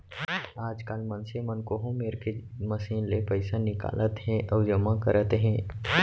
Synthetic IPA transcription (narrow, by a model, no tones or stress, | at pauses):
aːd͡ʒkaːlmənsemɐnkoɦũmeːɾkeməsiːnlepəɪsanɪka̰ːlət̪ɦɛ̃ʔɐʊd͡ʒəmakəɾət̪ɦɛ̃ː